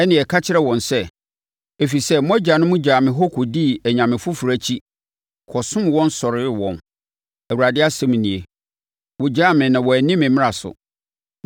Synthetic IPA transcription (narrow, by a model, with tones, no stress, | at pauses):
ɛ˦nɪ̃˨ɛ˨kʰa˦t͡ɕʰɪ˦ɾɛ˦wɔ̃˨nsɛ˦ | e˨fi˨sɛ˦mɔ̃˦d͡ʑa˨nʊ̃˦mʊ̃˦d͡ʑaː˨mɪ̃˨ɦɔ˦kʰʊ˨di˦ɛ˨ɲã˨mɪ̃˨fʊ˦fu˨ɾæ˦t͡ɕʰi˦ | kʰɔ˨sʊ̃˦m˦wɔ̃˦n˦sɔ˨ɾɪ˦wɔ̃˨n | æ˨wu˨ɾa˨dɪ˦a˦sɛ̃˦m̃˨nĩ˨e˨ | wɔ˨d͡ʑaː˦mɪ̃˨nã˨wɔ˨æ˨nĩ˦mɪ̃˨mɪ̃˦a˨sʊ̰˨